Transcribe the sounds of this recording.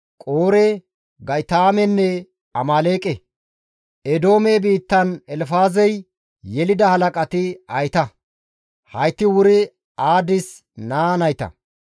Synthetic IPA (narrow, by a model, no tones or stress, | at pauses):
kʼoːɾe | ɡɐjt̪aːmɛnːɛ | ɐmaːleːkʼɛ | ɛd̪o̞ːmebiːt̪ːɐnɛlfaːzɛj | jɛlɪd̪ɐhɐlɐkʼɐt̪ɪɐjt̪ɐ | hɐjt̪ːɪwʊɾɪ | aːd̪ɪs | naːnɐjt̪ɐ̰